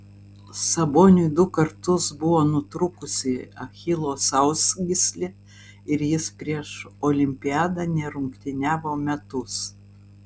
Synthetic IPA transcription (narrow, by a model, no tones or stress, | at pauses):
sɐboːnʲʊd̪ʊkɐɾt̪ʊsbʊʋoːnʊt̪ɾʊkʊsʲɪɐxʲɪlˠoːsɐʊsɡʲɪsʲlʲɪ | ɪɾjɪspʲɾʲiɛʃoːlʲɪmʲpʲɪæːd̪ɑnʲɛɾʊŋkt̪ʲɪnʲæːʋoːmʲɛt̪ʊs